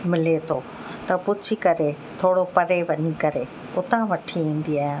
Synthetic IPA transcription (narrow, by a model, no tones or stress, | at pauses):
mɪlet̪ʰoː | t̪ɐpʊd͡ʑʰikɐɾe | t̪ʰoːɽopɐɾeʋɐɲikɐɾe | ʊt̪ãʋɐʈʰiĩːn̆d̪iaːɦjãː